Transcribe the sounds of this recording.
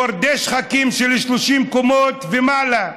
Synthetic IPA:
aɾd̪eʃχakimʃeleʃloʃimkomot̪vemala

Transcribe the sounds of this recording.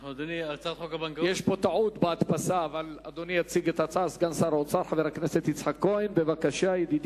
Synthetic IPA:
od̪oniat͡sat̪χokabaŋkjeʃpo̞t̪aʕut̪beat̪pasaːvalad̪onijat͡siɡet̪hat͡sasɡamsaɾot͡saɾħaveʁakneset̪it͡sħakːo̞enbevakaʃajed̪id̪i

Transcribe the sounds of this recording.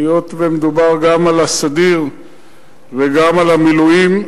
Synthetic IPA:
jot̪vemed̪ubaʁɡamalasad̪iʁ | veɡamalamiluim

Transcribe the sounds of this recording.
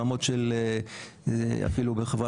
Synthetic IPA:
amotʃele | a̰filubeχava

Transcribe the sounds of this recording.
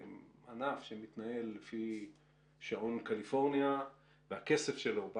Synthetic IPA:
anafʃemit̪nae̞lːefi | ʃaʔonkalifo̞ʁnja | veake̞se̞fʃelo̞b

